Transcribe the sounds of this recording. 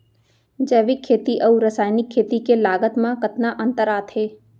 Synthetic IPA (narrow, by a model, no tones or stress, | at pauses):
d͡ʒɛːʋɪkʰːeːt̪iʔɐuɾɐsaːjnɪkʰːeːt̪ikelaːɡət̪mãkɐt̪naʔɐ̃nt̪əɾaːt̪ɦeː